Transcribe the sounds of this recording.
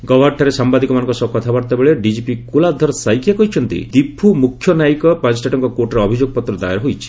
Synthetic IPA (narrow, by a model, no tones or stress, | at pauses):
ɡɔbʱɔɾʈʰaɾesambad̪ikɔmanɔŋkɔsɔbkɔt̪ʰabaɾt̪ebeɭeɖid͡ʒipikulad̪ʱːɔɾɔsajkʰjakɔɦit͡ʃʰɔnt̪ḭd̪ibʰumukʰjɔnaikɔpãnt͡ʃɔʈaʈɔŋkɔkoɾʈɔɾeɔbʱid͡ʒoɡɔpɔt̪ɾɔd̪a̰jaɾɦojt͡ʃʰi̥